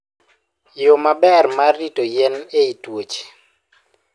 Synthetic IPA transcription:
jomabɛrmaritojɛneitwot͡ʃe̥

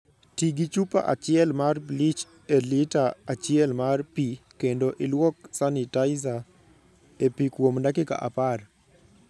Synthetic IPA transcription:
tiɡit͡ʃupa̰ʔat͡ʃɪɛlmarblit͡ʃ | elɪtaat͡ʃɪɛlmarpikendoʔɪlwɔksanɪtaɪza | epikwomndakɪka̰ʔa̰par

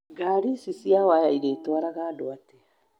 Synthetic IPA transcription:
ɡaɾisisjawajaiɾeːtwaɾaɣaːdoate

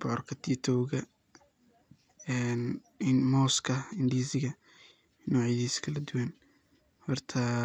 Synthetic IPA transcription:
bɔrkʰɐt̪ʰiːt̪ʰɔwɣɐ | ɛn | mɔːskʰɐɪnd̪iːsɪɣɐ | nɔːʕiðiːskʰɐlɐd̪ʊwɐn | hɔrt̪ʰɐ

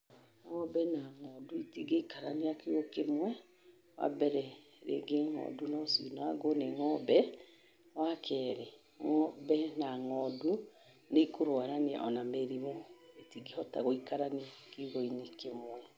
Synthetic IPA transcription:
ŋɔbɛnaŋɔduitiɡeikaɾaneakeɣokemwɛ | wa̰bɛɾɛ | ɾḛɡeŋɔ̰dunɔsḭnaaɡoneŋɔbɛ | wakʰɛːɾe | ŋɔbɛnaŋɔdu | nekoɾwaɾanea̰ʔɔnameɾiβɔetiɡehɔta̰ɣoikaɾaneakeuɣoinekemwɛ

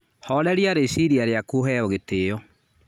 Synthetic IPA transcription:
hɔlɛɾiaɾesiɾiaɾeakuoɦɛɔɣeteːɔ

